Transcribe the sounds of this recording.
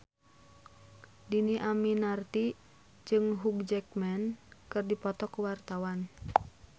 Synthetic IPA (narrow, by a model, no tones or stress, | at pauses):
diniʔaminart̪i | d͡ʒɨŋɦuɡd͡ʒɛk̚mɛnkɨrdipɔt̪ɔkuwart̪awan